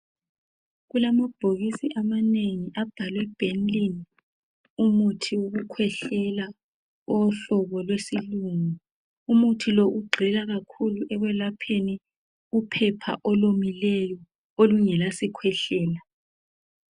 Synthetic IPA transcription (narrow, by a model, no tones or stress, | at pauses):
ɣulamab̥ʱoɣisiʔamaneŋiʔab̥ʱalwɛb̥ʱenlin | umutʰiwoɣukʰwɛɬɛla | ɔɬɔβɔlwesiluŋu | umutʰilɔʔuɡ͡ǃʱɛlaɣakʰuluʔɛɣwɛlapʰeni | upʰɛpʰa̰ʔɔlomilɛjɔ | oluŋɛlasikʰwɛɬɛːla